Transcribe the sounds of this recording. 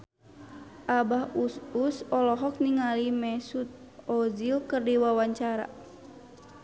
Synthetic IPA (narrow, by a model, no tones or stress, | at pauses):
ʔabahususɔlɔɦɔk̚niŋalimɛsut̪̚ | ɔzilkɨrdiwawaɲt͡ʃaɾa̰